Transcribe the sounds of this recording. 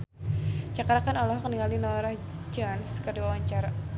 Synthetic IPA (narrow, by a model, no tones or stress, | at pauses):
d͡ʒakaɾakanɔlɔɦɔkəniŋalinɔɾah | d͡ʒanskərduawaɲt͡ʃaɾa